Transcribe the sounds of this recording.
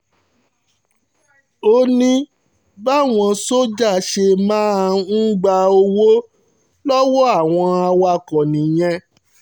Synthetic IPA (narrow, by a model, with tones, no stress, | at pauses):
o˧nĩ˦ | ba˦˨w̃ɔ̃˧so˦d͡ʒa˦˨ʃe˧mãː˦˧n̩˦ɡ͡ba˧o˧wo˦ | lɔ˦wɔ˦a˦˨w̃ɔ̃˧a˧wa˧kɔ̃˨nĩ˨j̃ɛ̃˧